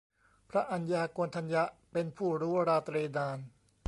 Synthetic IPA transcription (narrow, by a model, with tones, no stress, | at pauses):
pʰɾa˦˥ʔa˧njaː˧ku˧ənt̪ʰa˧nja˦˥ʔpe˧npʰuː˥˩ɾuː˦˥ɾaː˧t̪ɾeː˧daː˧n